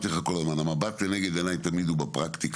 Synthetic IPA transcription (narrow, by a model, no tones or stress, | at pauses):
t̪iχakolazmanamabat̪keneɡed̪enajt̪amid̪ubapʁakt̪ik